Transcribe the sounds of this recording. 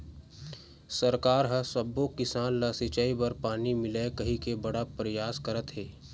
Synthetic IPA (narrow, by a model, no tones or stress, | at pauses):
sɐɾkaːɾɦɐ̃sɐbokɪsaːnlaːsɪt͡ʃaːibɐɾpaːnimɪlekɐɦikebɐɽapɾəjaːskɐɾət̪ɦɛː